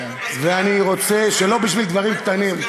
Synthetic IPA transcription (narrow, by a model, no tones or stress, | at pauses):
veaniʁo̞t͡seʃe̞lo̞biʃvild̪vaʁimkt̪anim